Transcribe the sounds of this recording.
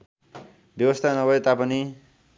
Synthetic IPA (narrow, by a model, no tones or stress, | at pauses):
bjʌbʌst̪ʰanʌbʌet̪apʌni